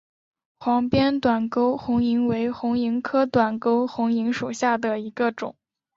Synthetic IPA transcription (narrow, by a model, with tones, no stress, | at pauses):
xwɑ˧˥ŋpjɛ˥nt̪wa˨˩nko˥ʊxʊ˧˥ŋi˧˥ŋwe˧˥ɪxʊ˧˥ŋi˧˥ŋkʰɤ˥t̪wa˨˩nko˥ʊxʊ˧˥ŋi˧˥ŋʂu˨˩ɕja˥˩d̪ə˩i˧˥ɡə˧ʈ͡ʂʊ˨˩˦ŋ